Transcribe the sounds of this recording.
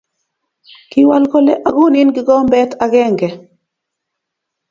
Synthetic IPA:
kɪ˦wa˦lkɔ˦lɛ˦ʔa˨ɡu˦ni˦nɡɪ˨ɡɔ˦mbɛ˦ta˨ɡɛ˦ŋɡɛ˨

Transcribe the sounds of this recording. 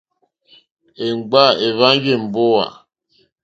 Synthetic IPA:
e˨ŋ͡m̩˨ɡ͡ba˦˨e˨βa˦ŋ˦ɡe˦˨m̩˨bo˦wa̰˨

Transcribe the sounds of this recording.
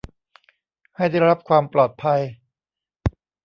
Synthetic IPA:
ha˥˩jda˥˩jɾa˦˥p̚kʰwaː˧mplɔː˨˩t̪̚pʰa˧j

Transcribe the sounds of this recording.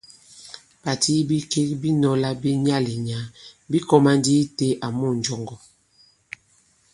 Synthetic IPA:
b̥a˨tʰi˦bi˦ke˦kbi˦nɔ˨la˦bi˦ɲa˦li˨ɲa˨˦bi˦kɔ˦ma˦ndi˦te˦ʔa˨mu˦˨n˨d͡ʒɔ˦ŋɡɔ˨

